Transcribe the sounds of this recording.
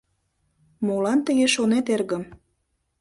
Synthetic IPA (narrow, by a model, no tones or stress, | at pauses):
molɑnt̪əɣeʃonet̪erɣə̆m